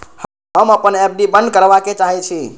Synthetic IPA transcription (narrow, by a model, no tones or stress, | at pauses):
h | ɦəməpənep̚ɖibə̃nd̪̚kəɾbaket͡ʃaɦɛt͡ʃʰi